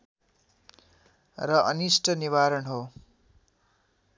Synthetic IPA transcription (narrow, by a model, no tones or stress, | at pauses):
rʌʔʌnisʈʰʌniβaɾʌnɦo